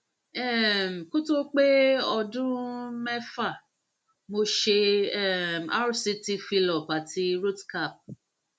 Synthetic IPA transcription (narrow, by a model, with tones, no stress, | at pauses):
ɛ˦˨m̩˨ku˦to˦k͡pe˦ɔ˧dũ˦mɛ˦fa˦˨ | mo˧ʃe˧ɛ˦˨m˨a˦ɾu˨si˧ti˧fi˧lɔ˨pa˨ti˧˦ɾu˦tka˦˨p̚